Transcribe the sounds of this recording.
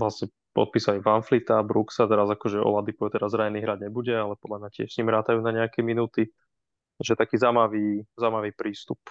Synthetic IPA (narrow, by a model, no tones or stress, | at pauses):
lasɲɛ | pɔ̰t̪̚piːsalivanflit̪abɾuksat̪ɛɾazakɔʒɛɔ̰lad̪ipɔɛt̪ɛɾazɾaɲɛniɦɾaɟɲɛbuɟɛalɛpɔd̪lamacɪɛ̰ʃsɲiːmɾaːt̪ajuːnaɲɛakɛminuːt̪i | ʒɛt̪akiːzamaʋiːzamaʋiːpɾiːst̪up